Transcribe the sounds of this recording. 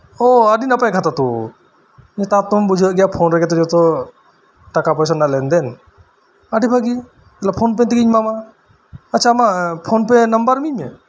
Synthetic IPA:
ɔəɖinapajkʰat̪at̪ṵ | ɲt̪at̪umbud͡ʒʱaʔɡɛjapʰonɾɛkɛt̪ɔd͡ʒɔt̪ɔ | ʈakapɔjs̬analɛnd̪ɛn | aɖibʱaɡi | ɛlapʰonpɛnt̪iɡiɲmama | ətːʃʰamapʰonpɛnɐmbəɾmiɲmɛ

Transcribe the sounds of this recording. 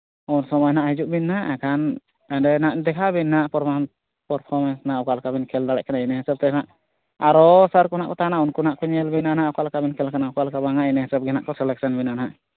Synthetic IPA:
unsɔmɔjnaʔhid͡ʒuʔbinːaʔɛkʰan | adɛnaʔd̪ɛkʰabinːaʔpɔɾma | pəɾpʰɔɾmɛnsnaʔukalkabinkʰɛld̪aɽɛʔkanainɛɦɛsəb̚t̪ɛnaʔ | aɾɔsəɾkunaʔkɔt̪aanaunkunaʔkɔɲɛlbinanaʔukalkabinkʰɛlkanaukalkabaŋaʔinɛɦɛsəb̚ɡɛna̰ʔkɔsɛlɛk̚sənbinanaʔ

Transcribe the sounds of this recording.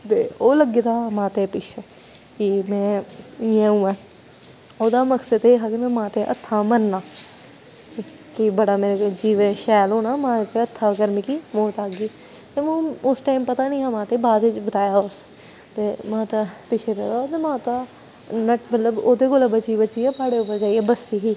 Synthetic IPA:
t̪ḛːoːləɡːeːt̪aːmãːt̪eːpɪʃʰe | kɪmɛ̃ːɪjãːũːɛ̃ː | oːd̪aːməksəd̪eːɦaːkimɛ̃ːmãːt̪eːʔə̰t̪ʰːaːmənːaː | kibəɽaːmeːɾed͡ʒiːʋẽːʃɛːloːnaːmãːt̪eət̪ʰːaːɡəɾmikimoːt̪aːɡiː | t̪eːmõʊsʈaːɪmpət̪aːnĩːaːmãːt̪eːbaːd̪ʋɪt͡ʃbət̪aːjaːʊs | t̪eːmãːt̪apɪt͡ʃʰeɾeːot̪eːmãːt̪aː | nəʈmət̪ləboːd̪eːkoːlabət͡ʃiːbət͡ʃiːɛːpaːɽeʊpːəɾd͡ʒaːiɛːbəsiɦiː

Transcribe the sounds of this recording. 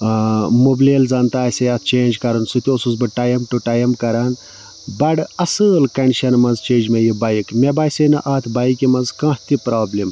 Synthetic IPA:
mobleːld͡zɐnt̪aːsʲɐjɐt̪ʰt͡ʃeːnd͡ʒkɐɾɨnsut̪ʲiosuzbɨʈaːjɐmʈuʈɐːjɐmkɐɾaːn | bɐɽɐsɨːlkɐɳɖiʃɐnmɐnzt͡ʃeːd͡ʒmɐjibɐjikmʲebaːjsʲɐnɨʔaːt̪ʰbajikimɐnzkɐ̃ːht̪ipɾaːblim

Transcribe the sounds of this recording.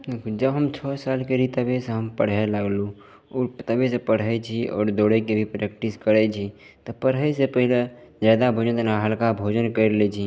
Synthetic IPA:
d̪ekʰud͡ʒəbɦəmt͡ʃʰɔːsaːlkeɾit̪əbeseɦəmpəɽ̤eləɡlu | ut̪əbesepəɽ̤ɛt͡ʃʰiɔ̰ːɾd̪oːɽekebʱipɾekʈiskəɾet͡ʃʰi | t̪ɔpəɽ̤esepəɦile | zaːd̪abʱod͡ʒə̃t̪naɦəlkabʱoːd͡ʒənkəɾlet͡ʃʰi

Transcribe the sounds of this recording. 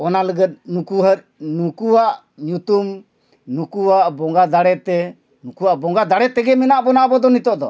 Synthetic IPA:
ɔnaləɡət̪̚nukuɦəɾ̚ | nukuwaʔ | ɲut̪um | nukuwaʔbɔŋɡad̪aɽɛt̪ɛ | nukuwaʔbɔŋɡad̪aɽɛt̪ɛɡɛmɛnaʔbɔnaʔbɔd̪ɔnit̪ɔʔd̪ɔ̰

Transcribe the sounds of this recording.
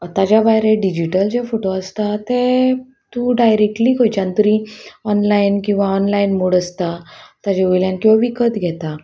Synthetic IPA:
t̪ad͡ʑjabajɾeɖid͡ʑiʈəld͡ʑefoʈoəst̪at̪e | t̪uɖajɾek̚ʈliːkojt͡ɕãnt̪əɾiɔnlainkĩw̃ʋaɔnlainmoɽəst̪at̪ad͡ʑeujljãnkĩw̃ʋaʋikət̪ɡʱɛt̪a

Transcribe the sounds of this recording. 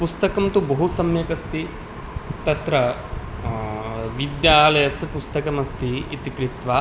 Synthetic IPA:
pust̪ɐkɐmt̪ubɐɦusɐmjɐkɐst̪i | t̪ɐt̪ɾɐ | ʋid̪jaːlɐjɐsjɐpust̪ɐkɐmɐst̪iit̪ikɾit̪ʋa

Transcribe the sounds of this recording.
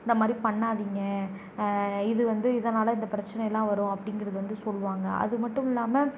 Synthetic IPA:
ɪnd̪ɐmaːd̪ɾipɐɳːaːðiːŋɡɐ | ɪðɯʋɐnd̪ɯɪðɐnaːlɐɪnd̪ɐpɪɾɐt͡ʃːɐnɛjɐlːãːʋɐɾʊ̃ɐpːɐɽɪŋɡɪɾɐðɯʋɐnd̪ɯsɔlːʋaːŋɡɐʔɐ̰ðɯmɐʈːɯ̃mɪlːaːmɐ

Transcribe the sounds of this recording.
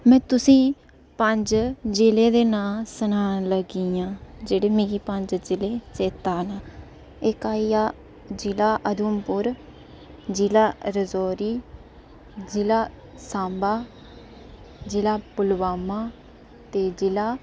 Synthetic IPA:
mɛ̃ːt̪ʊsĩː | pəɲd͡ʒd͡ʒɪleːd̪eːnaːsənaːləɡiãːd͡ʒeːɽeːmĩɡiːpəɲd͡ʒd͡ʒɪleːt͡ʃeːt̪aːnaː | ekaːijaː | d͡ʒɪlaːʔəd̪uːmpʊɾ | d͡ʒilaːɾəzoːɾiː | d͡ʒɪlaː | sãːmbaː | d͡ʒɪlaːpʊlbaːmaː | t̪eːd͡ʒɪlaː

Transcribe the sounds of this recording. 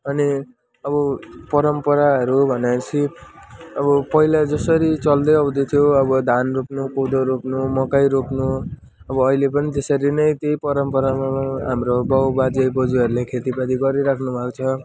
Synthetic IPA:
ʌni | ʌbʌpʌɾʌmpʌɾaɦʌɾubʱʌnt͡sʰi | ʌβʌpʌilad͡zʌsʌɾit͡sʌld̪ʌjʌwd̪ʌt̪ʰjoʌbʌd̪ʱanropnukod̪oɾopnumʌkajɾopnu | ʌbʌːilepʌnit̪esʌɾinʌjt̪ejpʌɾʌmpʌɾamaɦamrobʌwbad͡zajbʌd͡zuʌɾulekʰet̪ibad̪iɡʌɾiɾakʰnubʱakot͡sʰʌ

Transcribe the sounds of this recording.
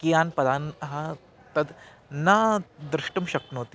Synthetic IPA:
kijanpɐd̪ʱanɦã | t̪ɐd̪ | nad̪ɾɨʂʈəmɕɐk̪not̪i

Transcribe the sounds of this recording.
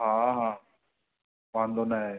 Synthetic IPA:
ɦãːɦãː | ʋãːnd̪onaɦeː

